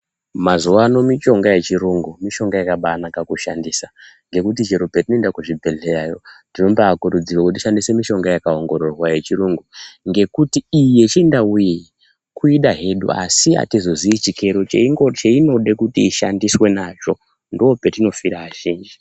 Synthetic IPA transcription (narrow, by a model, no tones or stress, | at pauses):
mazuʋano̞mit͡ʃo̞ŋɡaje̞t͡ʃiɾuŋɡumiʃo̞ŋɡajakaɓanakakuʃandisa | ŋɡe̞kut̬id͡ʒeɾopetinoendakuʐibʱe̞ɮerajo̞tino̞mbaːkuɾud͡zirwakut̬iʃandise̞miʃo̞ŋɡajakao̞ŋɡo̞ɾo̞rwaje̞t͡ʃiɾuŋɡuŋɡe̞kutiːje̞t͡ʃindawui | kʰuiɗaɦe̞ɗṵa̰sia̰tizo̞ziːt͡ʃike̞ɾo̞t͡ʃeiŋɡo̞t͡ʃeino̞ɗekutiːʃandiswe̞nat͡ʃo̞ | ndoopetino̞fiɾaʋaʒiːnd͡ʒi